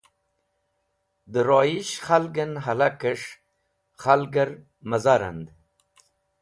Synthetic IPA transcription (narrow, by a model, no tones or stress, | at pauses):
d̪əɾoːiɕχalɡənɦalakəʂ | χalɡəɾ | məzaɾa̰nd̪